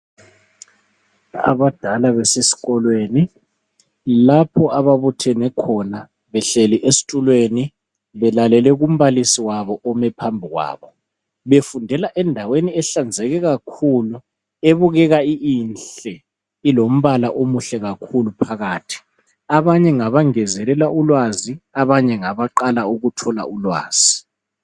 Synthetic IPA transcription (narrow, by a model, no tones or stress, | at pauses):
a̰βad̥ʱalaβɛsesi̥ɣɔlweːni | lapʰɔʔaβaβutʰɛnɛkʰɔna | βɛɬɛliʔesi̥tʼulweni | βɛlalɛlɛɣum̩βalisiwaβɔʔɔmɛpʰambʱiɣwa̰ːβɔ | βefundʱɛlaʔɛndʱaweniɛɬand͡zʱɛɣɛɣakʰuːlu | eβuɣɛɣaiinɬɛ | ilom̩βalaʔomuɬɛɣakʰulupʰaɣaːtʰi̥ | aβaɲɛŋaβaŋɛzɛlɛlaulwaziaβaɲɛŋaβaǃalauɣutʰɔla̰ulwa̰ːz̥i